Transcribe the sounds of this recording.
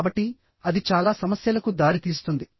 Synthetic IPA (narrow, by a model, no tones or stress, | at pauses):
bɐʈːi | ɐd̪it͡ʃaːlaːsɐmɐsjɐlɐkud̪aːɾit̪iːsu̥t̪und̪i